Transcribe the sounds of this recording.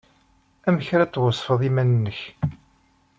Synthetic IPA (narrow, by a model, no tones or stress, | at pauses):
æməçɾæt͡sːwəsˤfəðˤimænənːəç